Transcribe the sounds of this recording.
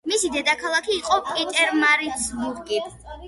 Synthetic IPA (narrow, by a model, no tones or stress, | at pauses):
misid̪ɛd̪akʰalˠakʰiːqʼɔpʼit̪ʼɛɾmaɾitsbuɾɡi